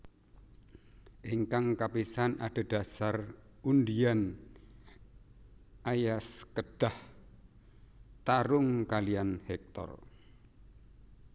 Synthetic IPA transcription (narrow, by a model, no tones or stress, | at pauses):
ʔiŋkaŋkapisanʔad̥a̤d̥a̤sarundian | ʔajaskəd̥a̤h | t̪aɾʊŋkalianhɛk̚t̪ɔ̰r